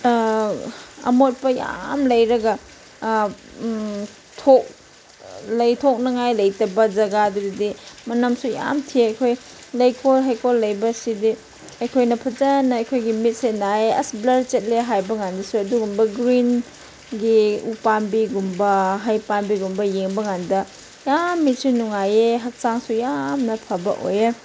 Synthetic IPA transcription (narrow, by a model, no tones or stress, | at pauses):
ɐ̰mot̚pɐja̰mlɐjɾɐɡɐ | tʰok̚ | lɐjtʰok̚nɐŋajlɐjtɐbɐd͡ʒɐɡadudidimɐnɐmsuja̰mtʰieɐjkʰoj | lɐjkʰolɦajkʰolːɐjbɐsidi | ɐjkʰojnɐpʰɐzanːɐɐjkʰojɡimit̚senaeɐsblɐɾt͡ʃet̚leɦajbɐŋandɐsuɐduɡumbɐɡɾin | ɡiupanbiɡumbɐɦajpanbiɡumbɐjeŋbɐŋandɐ | jamːit̚sunuŋajeɦɐk̚saŋsujamnɐpʰɐbɐ̰ʔo̰je